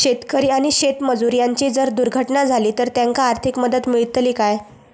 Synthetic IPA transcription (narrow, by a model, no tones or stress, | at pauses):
ɕet̪kəɾiːaɽ̃iɕet̪məd͡zuɾjaɲt͡ɕiːd͡zəɾd̪uɾɡʱəʈnad͡zʱaliːt̪əɾt̪jaŋkaːɾt̪ʰikməd̪ət̪miɭit̪liːkaj